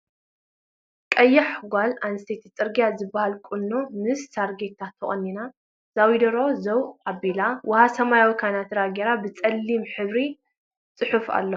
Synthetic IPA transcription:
kʼɐjːaħɡʷalanɨst̪ʰet̪ʰt͡sʼɨɾɡijazɨbːahalkʼunːo̞mɨsːaɾɡet̪ʰːat̪ʰɐχʼɐ̰nːina | z̥awid̪ɐɾo̞zɐwabilawʔɐhasɐmajawikʰajnat̪ɾaɡeɾabɨt͡sʼɐlːimħɨβɾi | t͡sʼɨħufa̰lːo

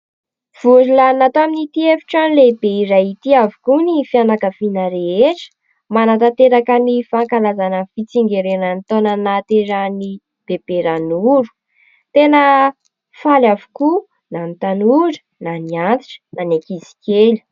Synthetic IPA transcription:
v̥uʐilaninat̪oaminit̪iefi̥ʈ͡ʂanilebeiɾajit̪iavukunifianakəfinəɾeeʈ͡ʂə̥ | manat̪at̪eɾakənifaŋkalazanəfit͡siŋɡeɾenənit̪onənat̪eɾani | b̥eb̥eɾanuɾu̥ | t̪enə | falavu̥ku | nanit̪anuɖ͡ʐə̥ | naniant̪i̥ʈ͡ʂə̥nanakizi̥keli̥

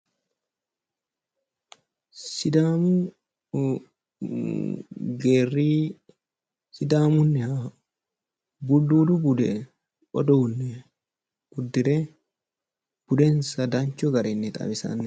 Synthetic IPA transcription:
sɪd̪aːmʊ | ɡeːrːiː | sɪd̪aːmʊnːɛha | bʊduːd̪ubʊd̪ɛ | ɔd̪ɔʊnːɛ | ɡ̥ʊd̪ːɪɾɛ | b̥ʊd̪ensɐd̪aɲt͡ʃɔɡɐɾɛnːɛt̪ʼɐ̰bɪsɐ̰nːɛ

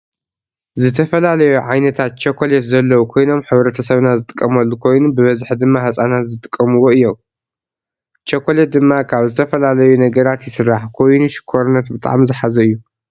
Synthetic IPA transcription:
zɨt̪ʰɐfɐlalɐjuʕajnɐt̪ʰat̪̚t͡ʃʰɐkʰolet̪zɐlːɐwukʰo̞jno̞mħɨβɾɐt̪ʰɐsɐβnazɨt̪ʼɨ̥kʼːɐmɐlːukʰo̞jnubɨβɐzħd̪ɨmːahɐt͡sʼanat̪zɨt̪ʼɨ̥kʼːɐmɨwo̞ɨjːom | t͡ʃʰɐkʰolet̪̚d̪ɨmːakʰaβzɨt̪ʰɐfɐlalɐjunɐɡɐɾat̪jɪsɨɾːaħkʰo̞jnuʃɪ̥kʰːoɾɨnːɐt̪̚bɨt̪ʼa̰ʕmzɨħazɐɨjːu

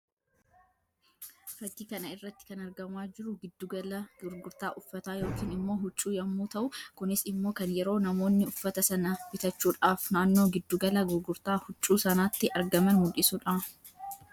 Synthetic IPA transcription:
fɐt̪iːkɐnɐɪrːɐt̪ːɪ̥kɐnɐɾɡɐmwaːd͡ʒɪɾʊɡɪd̪ːuɡɐlɐɡʊɾɡʊɾt̪aːʔʊfːɐt̪aːjo̞ːkiːnɪmːo̞ːɦʊt͡ʃʼːuːjɐmːuːt̪ɐʔʊkʊnɪsɪmːo̞ːkɐnjɛɾo̞ːnɐmo̞ːnːɪʊfːɐt̪ɐsɐnɐfɪt̪ɐt͡ʃːuːᶑaːfnaːnːo̞ːɡɪd̪ːuːɡɐlɐɡʊɾɡʊɾt̪aːhʊt͡ʃʼːuːsɐnaːt̪ːɪʔɐɾɡɐmɐnmʊlɪsuːᶑaː

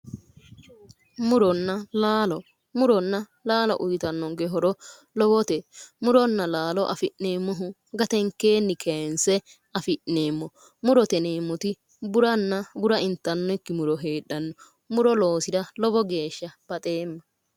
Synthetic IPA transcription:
mʊɾɔnːɐlaːlɔ | mʊɾɔnːɐ | laːlɔ̰ʔʊjt̪ɐnːɔŋɡɛɦɔɾɔ | lɔbɔt̪ɛmʊɾɔnːɐlaːlɔʔɐfɪʔneːmːɔɦʊ | ɡɐt̪ɛŋkːeːnːɪkʰensɛ | ɐfɪʔneːmːɔ | mʊɾɔt̪ɛneːmːɔt̪ɪ | bʊɾɐnːɐbʊɾɐʔɪnt̪ːɐnːɔɪkːɪmʊɾɔɦeːɗːɐnːɔ | mʊɾɔlo̞ːsɪdɐlɔbɔɡe̞ːʃːɐb̥ɐt̪ʼeːmːɐ

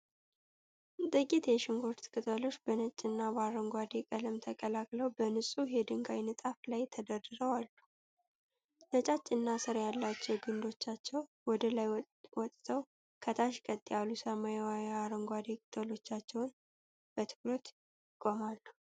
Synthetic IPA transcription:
t̪ʼɨkʼit̪jɛʃɪŋɡoɾt̪kʼɨt̪ʼəlo̞t͡ʃːb̥ənət͡ʃʼːɪnːaβaɾəŋɡʷad̪ekʼələmt̪ʰəkʼəlakʼləwbənɨsʼujɛd̪ɨŋɡajnɨt̪ʼaflajt̪ʰəd̪ərɨɾəwalːu | nət͡ʃʼat͡ʃʼːɪnːasɨɾjalːat͡ʃːɛwɡɨnd̪o̞t͡ʃːat͡ʃːɛw | wɔd̪əlaj | wɔt̪ʼt̪ʰəw | kʰət̪ʰaʃkʼət̪ʼːijalusəmajwajɛaɾəŋɡʷad̪ekʼɨt̪ʼəlo̞t͡ʃːat͡ʃːɛwn | b̥ət̪ʰɨ̥kɾo̞t̪ | ɪkʼːomalːə

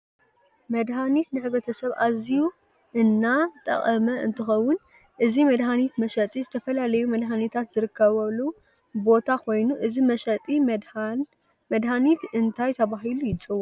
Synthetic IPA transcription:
mɐd̪ɦanit̪nɨħɨβɾɐt̪ʰɐsɐβʔaziju | ʔɨnːat̪ʼɐ̰χʼɐmɐʔɨnt̪ʰɨxɐwːʊn | ʔɨzimɐd̪ɦanit̪mɐʃɐt̪ʼizɨt̪ʰɐfɐlalɐjumɐd̪ɦanit̪ʰat̪z̥ɨɾɨkʰːɐβɐβlu | bo̞t̪ʰakʰo̞jnuʔɨzimɐʃɐt̪ʼi | mɐd̪hanit̪ɨnt̪ʰajt̪ʰɐβaɦilujɪt͡sʼɨwːu

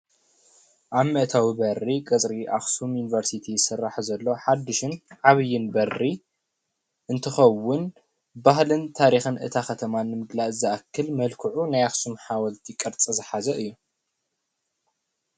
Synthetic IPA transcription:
ʔaβmɐʔt̪ʰawibɐrːikʼɨt͡sʼɾiʔaxsumjunivɐɾsit̪ʰijsɨrːaħzɐlːo̞ħad̪ːɨʃɨnʕaβɨjːɪnbɐrːi | ʔɨnt̪ʰɨxɐwːʊn | bahlɨnt̪ʰaɾixɨnʔɨ̰t̪ʰaxɐt̪ʰɐmanːɨmɨɡlaʔɨzɐʔakʰːɨlmɐlkʰɨʕunajaxsumħawɐlt̪ʰikʼːɐɾt͡sʼɐzɨħazɐʔɨjːu

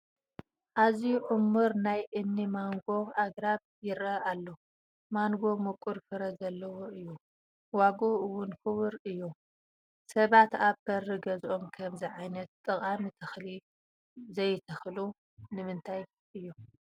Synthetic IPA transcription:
ʔaziʔʊmːɨɾnajʔɨnːimaŋɡo̞aɡɾaβ | jɪɾɐalːo | maŋɡo̞mɨkʼuɾfɨɾɐzɐlːɐwoʔɨjːu | waɡoɨwʊnkɨβɨɾɨjːu | sɐβat̪aβb̥ɐrːɨɡɐzʔo̞mkʰɐmziʕajnɐt̪t̪ʼːɨχʼamit̪ʰɐxli | zɐjt̪ʰɐxlu | nɨmɨnt̪ʰaj | ʔɨjːu

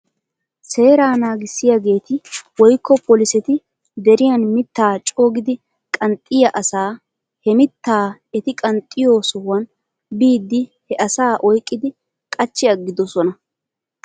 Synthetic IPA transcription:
se̞ːɾaːnaːɡɪsːɪjaɡe̞ːt̪ɪwɔjkːɔpʰɔlɪsɛt̪ɪ | d̪ɛɾɪjɐnmɪt̪ːaːt͡ʃʼo̞ːɡɪd̪ɪ | kʼɐnt̪ʼːɪjɐʔɐsaː | hɛmɪt̪ːaːɛt̪ɪkʼɐnt̪ʼːɪjo̞ːsɔwɐn | biːd̪ːɪhɛʔɐsaːʔɔjkʼːɪd̪ɪ | kʼɐt͡ʃːɪɐɡːɪd̪ɔsɔnɐ

